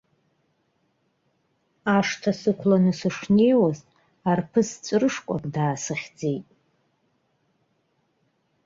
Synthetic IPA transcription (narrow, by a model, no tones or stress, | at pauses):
aʂtʰasɨkʷʰlanɨsɨʂne̞jwaztʼ | arpʰɨst͡sʷʼrɨʂkʷʼa̰kʼdaːsɨχʲd͡ze̞jtʼ